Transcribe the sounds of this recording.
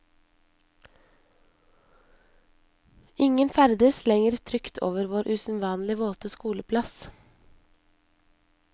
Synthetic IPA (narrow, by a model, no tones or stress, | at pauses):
ɪŋənfæɾd̪əslɛŋəɾt̪ʰɾʏkt̪ʰo̰ːʋəɾʋoːɾʔʉːsn̩ʋɑːnlɪʋoːt̪əskuːləpʰlɑs